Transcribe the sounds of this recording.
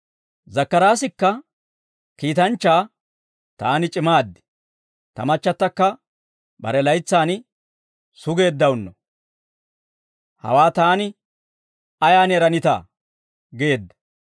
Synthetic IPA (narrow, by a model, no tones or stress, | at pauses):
zɐkːɐɾaːsɪkːɐ | kiːt̪ɐnt͡ʃːaː | t̪aːnɪt͡ʃʼɪmaːd̪ːɪ̥ | t̪ɐ̰mɐt͡ʃːɐt̪ːɐkːɐ | bɐ̰ɾɛlɐjt͡sːaːn | sʊɡe̞ːd̪ːɐwʊnːɔ | hɐ̰waːt̪aːnɪ | ɐjaːnɛɾɐnɪt̪a̰ː | ɡeːd̪ːɐ